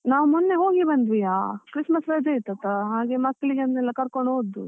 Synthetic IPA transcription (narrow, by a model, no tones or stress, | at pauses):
naːʋumɔnːeɦoːɡibɐnd̪ʋijaːkɾismɐsʋɐd͡ʒ̪eit̪ːɐt̪ːaɦaːɡemɐkːɐɭiɡeɐnːɛlːɐkɐɾkoɳɖoːd̪ṵ